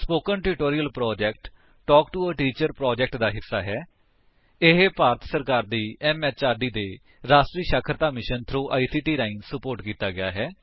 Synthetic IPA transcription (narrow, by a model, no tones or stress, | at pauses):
spoːkəɳʈɪʈoːɾiːəlpɾɔːd͡ʒɛːkʈ | ʈɔːkʈuəʈiːt͡ʃəɾpɾɔːd͡ʒɛk̚ʈd̪aːɦɪsːaːɦɛː | ɪɦepaːɾt̪səɾkaːɾd̪iːɛːmɛːt͡ʃaːɾɖiːd̪eː | ɾaːsʈɾiːʃaːkʰəɾt̪aːmɪʃənt̪ʰɾuːʔaːisiːʈiːɾaːiːnsəpoːɾʈkiːt̪aːɡɪja̰ːɦɛː